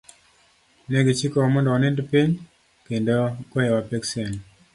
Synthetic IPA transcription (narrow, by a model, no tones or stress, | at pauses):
neɡet͡ʃikɔmɔndɔɔnendpiɲ | kendokɔɛwapɛksɛn